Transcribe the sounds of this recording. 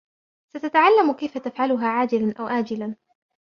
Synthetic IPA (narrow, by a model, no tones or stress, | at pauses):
sat̪at̪aʕalːamkajfat̪afʕalʊɦaːʕaːd͡ʒɪlanʔawʕaːd͡ʒɪlan